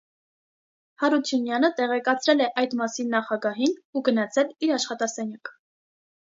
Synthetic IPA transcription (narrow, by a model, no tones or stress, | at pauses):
hɑɾut͡sʰjunjɑnət̪ɛʁɛkɑt͡sʰɾɛlɛʔɑjd̪mɑsinːɑχɑɡɑɦinuɡənɑt͡sʰɛliɾɑʃχɑt̪ɑsɛnjɑk